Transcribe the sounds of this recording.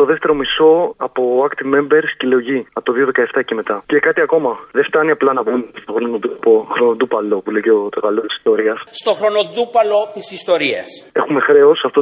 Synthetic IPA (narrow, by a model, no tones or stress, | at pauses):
t̪o̞ðe̞ft̪e̞ɾo̞miso̞ɐpo̞ɐkt̪ime̞mbe̞ɾscileoʝiɐpot̪oðio̞ðe̞kɐeft̪ɐce̞me̞t̪ɐce̞kɐt̪iɐko̞mɐðe̞ft̪ɐniɐplɐnɐbunst̪oxɾoonoðupoxɾo̞noðupɐlo̞puleʝeot̪oɣɐlost̪i̥si̥st̪o̞ɾiɐsst̪oxɾo̞no̞ðupɐlo̞t̪isist̪o̞ɾiɐse̞xume̞xɾe̞o̞sɐft̪o